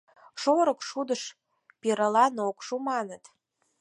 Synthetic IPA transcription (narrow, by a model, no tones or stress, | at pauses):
ʃoɾə̆kʃud̪əʃ | peɾəlɑnokʃumɑnət̪